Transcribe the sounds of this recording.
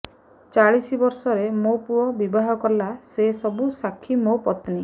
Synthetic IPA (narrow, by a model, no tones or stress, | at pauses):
t͡ʃaɭisibɔɾsɔɾemopuɔbibaɦɔkɔɾlasesɔbusakʰːimopɔt̪ni